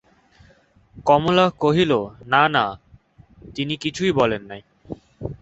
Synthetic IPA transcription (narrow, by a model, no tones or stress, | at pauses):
kɔmolakoɦilonana | t̪inikit͡ɕʰujbɔlenːaj